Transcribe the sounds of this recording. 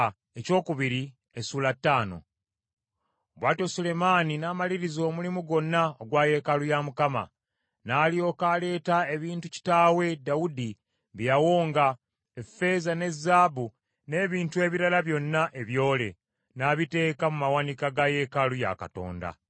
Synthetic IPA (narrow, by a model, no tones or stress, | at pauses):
e̞co̞ːkuβiɾi | esuːlatːaːno̞̰ | βwaːto̞sule̞maninaːmaliɾizo̞ːmulimuɡo̞nːaoɡwaːje̞kalujamukama̰ | naːlio̞kale̞ːtae̞βiːntuci̥taːwe̞dawudi | βjjawo̞ːŋɡa | efe̞zane̞zːaːbu | ne̞ːβiːntue̞ːβiɾalaβjo̞nːaʔe̞βjo̞ːle̞̰ | naβite̞ːkamumawanikaɡaje̞kaluja̰ka̰to̞̰ːnda̰